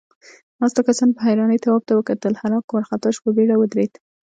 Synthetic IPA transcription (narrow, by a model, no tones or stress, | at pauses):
nɑst̪akasɑnpəɦajɾɑnəjt̪awɑb̚t̪awəkat̪əlhaɾɑkwaɾxat̪aʃpəbeɽawəd̪ɾed̪̥